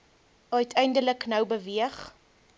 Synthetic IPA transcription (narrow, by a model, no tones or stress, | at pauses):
œɥtʰɛjndələknœwbəviəχ